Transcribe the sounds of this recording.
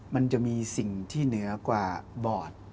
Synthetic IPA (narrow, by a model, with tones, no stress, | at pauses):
ma˧nt͡ɕa˨˩miː˧si˨˩ŋt̪ʰiː˥˩nɯ˩˦ɐkwaː˨˩bɔː˨˩t̪̚